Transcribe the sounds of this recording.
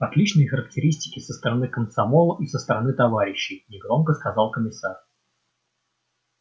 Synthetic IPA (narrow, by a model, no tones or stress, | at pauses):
ɐt̪lʲit͡ɕnɨjxəɾək̚tʲɪɾʲisʲtʲɪ̥kʲɪsəst̪əɾɐnɨkəmsɐmolˠəʔisəst̪əɾɐnɨt̪ɐvaɾʲɪɕːɪjnʲɪɡɾo̞mkəskɐzɑlˠkəmʲɪsar